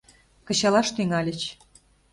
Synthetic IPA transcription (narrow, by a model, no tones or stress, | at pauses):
kɤ̆t͡ɕɑlɑʃt̪yŋɑlʲə̆t͡ɕ